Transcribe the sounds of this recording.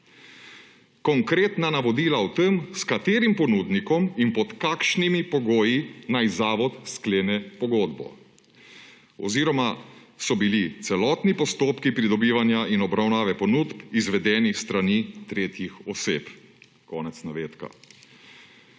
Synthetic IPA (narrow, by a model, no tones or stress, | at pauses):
kɔŋkɾeːt̪nanaʋɔd̪iːlawt̪əmskat̪eːɾimpɔnuːd̪nikɔminpɔt̪kaːkʃnimipɔɡoːjinajzaːʋɔt̪skleːnɛpɔɡoːd̪bɔ̰ | ɔ̰ziːɾɔma | sɔbilit̪sɛlɔːt̪nipɔst̪oːpkipɾid̪ɔbiːʋanjaʔinɔbɾawnaːʋɛpɔnuːt̪pizʋɛd̪ɛːnist̪ɾaniːt̪ɾeːt̪jixɔseːp | kɔːnɛt̪snaʋeːt̪ka̰